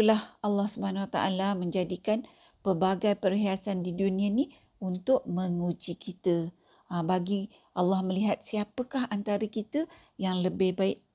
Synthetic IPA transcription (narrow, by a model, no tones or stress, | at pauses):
ulahalːɑhsubəɦanwat̪aʔa̰lamə̃ɲd͡ʒadikan | pərbaɡajpərɦiasandidunĩanĩ | unt̪ʊʔ̚mə̃ŋud͡ʒikʰit̪ə | baɡi | ʔalːɑhməliɦat̪̚siapəkaɦʔant̪aɾəkit̪ə | jaŋləbɪhbaɪʔ̚